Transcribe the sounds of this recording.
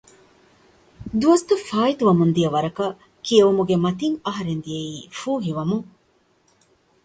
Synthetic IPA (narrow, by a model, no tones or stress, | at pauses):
d̪uɐst̪ɐfaːit̪uʋɐmund̪iɐʋɐɾɐkɐ | kiɐʋumuɡemɐt̪iŋɐɦɐɾend̪ijɐiːfuːɦiʋɐmu